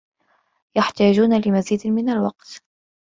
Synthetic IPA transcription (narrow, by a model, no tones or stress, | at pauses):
jaħt̪aːd͡ʒuːnalɪmaziːd̪mɪnalwɑq̚t̪